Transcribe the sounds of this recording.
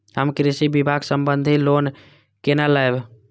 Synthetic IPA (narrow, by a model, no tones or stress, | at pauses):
ɦəmkɾisibibʱaɡsəmbənd̪ʱilon | kenalaeb